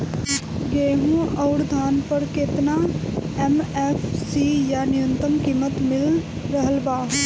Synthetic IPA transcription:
ɡeːɦũɔːɾd̪ʱaːnpəɾkɪt̪naɛmɛːfʰsijanɪjə̃nt̪əmkiːmət̪mɪl | ɾəɦəlbaːɦ

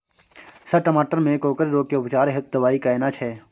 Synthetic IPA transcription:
sɐʈəmaːʈəɾmẽkoːkəɾɾoːkeʊpt͡ʃaːɾeɦɪt̪̚d̪ɐʋaːikaeːnat͡ʃʰɛː

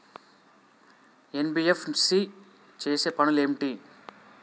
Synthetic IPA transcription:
enbiːefsi | t͡ʃeːseːpɐnulemʈi

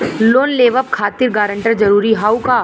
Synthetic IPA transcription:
loːnleːʋəp̚kʰaːt̪ɪɾɡaːɾə̃ɳʈəɾd͡ʒɐɾuːɾiɦaːwkaː

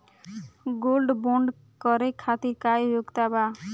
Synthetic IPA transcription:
ɡolɖboɳɖ | kɔɾekʰat̪iɾkajjoɡt̪aba

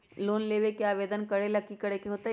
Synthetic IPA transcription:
loːnleːʋekjaːʋeːd̪ənkɐɽelɐkːikəɽekeɦoːt̪a

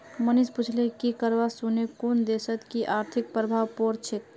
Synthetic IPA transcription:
mənisput͡ʃʰlekikəɾbasunekond̪esət̪kiʔaɾt̪ʰik̚pɾəbʱaʋpoɾt͡ʃʰet̪̚

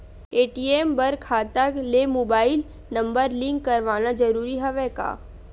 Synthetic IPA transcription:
eːʈiːeːmbəɾkʰaːt̪əklemoːbaːɪl | nɐ̃mbəɾlɪ̃ŋkːɐɾʋaːnad͡ʒɐɾuːɾiɦɛʋɛka̰ː

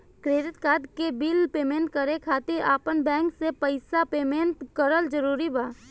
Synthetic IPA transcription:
kɾeːɾɪt̪kaːd̪kebiːlpeːmẽːɳʈkəɾekʰaːt̪ɪɾa̰ːpənbɛ̃ːŋksepəɪsapeːmẽːɳʈkəɾəld͡ʒəɾuːɾibaː

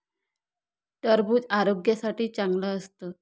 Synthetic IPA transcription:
ʈəɾbuːd͡zaɾoɡjasaʈiːt͡saŋɡləəst̪əː

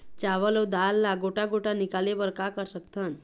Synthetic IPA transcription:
t͡ɕaʋəlowd̪alːaɡoʈaɡoʈanikalebəɾkakəɾsəkt̪ʰən

